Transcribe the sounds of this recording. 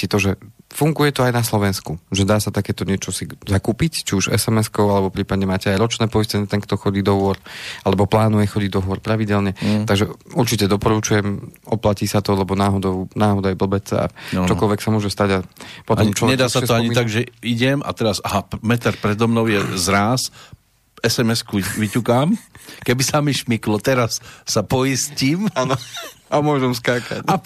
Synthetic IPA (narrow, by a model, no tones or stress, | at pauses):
sit̪ɔʒɛfuŋɡujɛt̪ɔajnaslɔʋɛnskuʒɛd̪aːsat̪akɛːt̪ɔɲɪɛt͡ʃɔsizakuːpict͡ʃiuʒɛ̰sɛmɛskɔʊalɛbɔpɾiːpad̪ɲɛmaːcɛajɾɔt͡ʃnɛːpɔiscɛɲɛt̪ɛŋkt̪ɔxɔɟiːd̪ɔɦʊɔɾalɛbɔplaːnujɛxɔɟiɟd̪ɔɦʊɔɾpɾaʋiɟɛlɲɛt̪aɡʒɛuɾt͡ʃicɛd̪ɔpɔɾut͡ʃujɛmɔplaciːsat̪ɔlɛbɔnaːɦɔd̪ɔʊnaːɦɔd̪ajbl̩bɛt͡sa̰t͡ʃɔkɔlʋɛksamʊɔʒɛst̪aɟapɔt̪ɔmt͡ʃɔɲɛd̪aːsatsɔaɲiaɡʒɛiɟɛma̰t̪ɛɾasaɦamɛt̪aɾpɾɛd̪ɔmnɔʊjɛzɾaːs | ɛsɛmɛskuʋicukamkɛbisamiʃmiklɔt̪ɛɾasːapɔjisciːmanɔamʊɔʒɛmskaːkaca